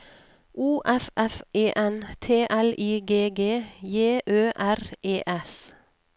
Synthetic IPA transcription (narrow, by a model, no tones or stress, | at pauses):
ʔuːʔɛfʔɛfeːʔɛnt̪ʰeːʔɛlʔiːɡeːɡeːjeːʔøːʔæɾʔeːʔɛs